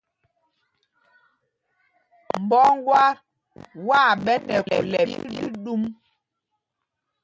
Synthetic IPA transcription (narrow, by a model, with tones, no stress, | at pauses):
m̩˨bɔ˦ŋ˦ɡwa˦ | wa˦˨ɓɛ˦nɛ˨lɛ̰˨lɛ˨˦di˦ɗu˦m